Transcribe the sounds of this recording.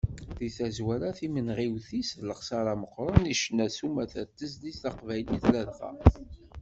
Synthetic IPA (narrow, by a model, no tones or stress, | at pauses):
ðiθæzwæɾæθimənʁiwθisləχsaɾaməqːɾˤəniʃnæsumæθæt̪ːəzðisθɑqvæjliθlæðfæ̰